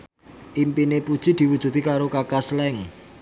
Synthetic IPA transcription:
ʔimpinepud̥ʒ̥i̤d̪̥i̤wud̥ʒ̥ṳt̪ikaɾokakaslɛŋ

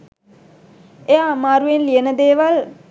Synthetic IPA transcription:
ejamaːɾuenliənəd̪eːʋal

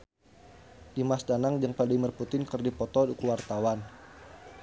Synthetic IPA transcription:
dimasdanaŋd͡ʒəŋpadimərput̪ɪnkərdipɔt̪ɔdikuwart̪awan

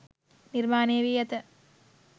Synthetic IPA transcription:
niɾmaːneːʋijɐt̪ɐ

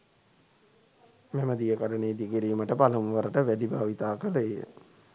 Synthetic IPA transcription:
meməd̪ijəkaɖəneːd̪ikiɾiːməʈəpaləmʋəɾəʈəʋæɖibʱaːʋit̪aːkələejə̰

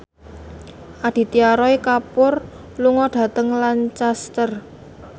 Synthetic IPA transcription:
ʔad̪̥i̤t̪iaɾɔikapʊr | luŋɔɖ̪̥a̤t̪əŋlant͡ʃast̪ər

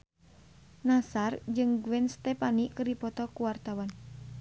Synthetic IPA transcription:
nasard͡ʒɨŋɡuwɛnst̪ɛpanikɨrdipɔt̪ɔkuwart̪awan

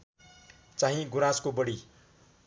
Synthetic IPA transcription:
t͡saɦĩɡuɾaskobʌɽi

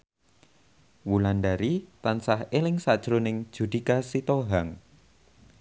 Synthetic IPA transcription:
wulanɖaɾit̪ansahelɪŋsad̥ʒ̥ɾonɪŋ̥ʒ̥ṳd̪̥ikasit̪oɦaŋ

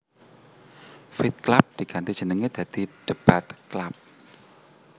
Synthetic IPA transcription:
fit̪̚klap̚d̪̥ikant̪i̥ʒ̥ə̤nəŋed̪̥ä̤d̪̥i̤ɖ̥ə̤b̥a̤t̪klap̚

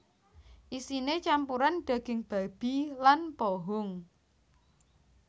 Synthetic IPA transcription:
ʔisinet͡ʃampuɾanɖ̥ä̤ɡ̥ɪ̤ŋb̥a̤b̥i̤lanpoɦʊŋ

